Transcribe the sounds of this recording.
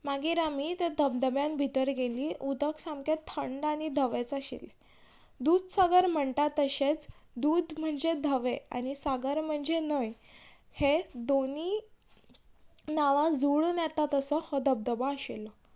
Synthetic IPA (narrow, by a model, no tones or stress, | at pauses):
maɡiɾamit̪ed̪ʱəb̚d̪əbjanbʱit̪əɾɡeliːʔud̪əksamket̪ʰəɳɖaɽ̃id̪ʱəʋet͡səɕḭle | d̪uːd̪saɡəɾm̤əɳʈ̪at̪ːəɕet͡sd̪uːd̪m̤əɳd͡zed̪ʱəʋea̰ɽ̃isaɡəɾm̤əɳd͡zenəj | hed̪oniː | naʋãd͡zuɭnjɛt̪at̪əsəhəd̪ʱəb̚d̪əbaəɕelə